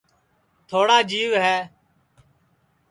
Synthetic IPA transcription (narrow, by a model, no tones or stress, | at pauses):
t̪ʰoːɽaːd͡ʒiːʋɦɛː